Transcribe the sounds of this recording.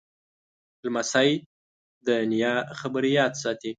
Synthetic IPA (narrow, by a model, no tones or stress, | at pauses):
lmasaj | d̪ənijɑxabəɾijɑt̪sɑt̪i